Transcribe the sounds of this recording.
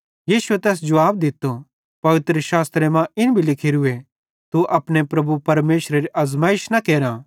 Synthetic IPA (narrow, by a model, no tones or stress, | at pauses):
jiːʃʊet̪ɛːs̬d͡ʒɐʋaːbd̪ɪt̪ːo | pɐʋɪt̪ɾəʃaːst̪ɾemãɪnbʱilɪkʰeɾʊe | t̪uʔɐpɽ̃epɾɐbupɐɾmeːʃɾeɾiʔɐzmaːɪʃnɐkeːɾã